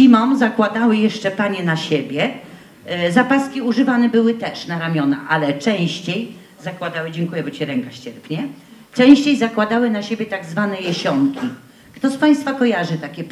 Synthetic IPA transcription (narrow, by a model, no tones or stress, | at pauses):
imɔmzakwad̪awɘjɛʂt͡ʂɛpaɲɛnaɕebʲjɛ | zapaskʲiuʐɘvanɛbɘwɘt̪ɛʂnaɾamʲjɔna̰ʔalɛt͡ʂɛ̃w̃ɕt͡ɕej | zakwad̪awɘd͡ʑɛŋkujɛbɔt͡ɕiɾɛŋkaɕt͡ɕɛɾpɲɛ | t͡ʂɛ̃w̃ɕt͡ɕejzakwad̪awɘnaɕebʲjɛt̪aɡzvanɛjɛɕɔŋkʲi | kt̪ɔspaj̃st̪fakɔjaʐɘt̪akʲɛ